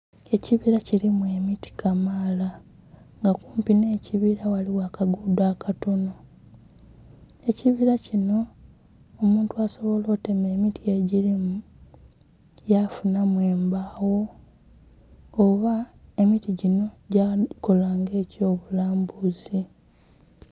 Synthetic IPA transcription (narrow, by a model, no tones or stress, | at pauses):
e̞ciβiɾacilimue̞miti̥kamaːla | ŋɡakuːmpineːciβiɾawaliwakaɡudwaːkʰato̞no̞ | e̞ciβiɾacino̞ː | muːntuaso̞βo̞lo̞ːte̞me̞ːmitie̞ɟiɾimu | jafunamwe̞ːmbaːwo̞ | βae̞mitiɟino̞ɟako̞laːŋɡe̞ːco̞ːβulaːmbuzi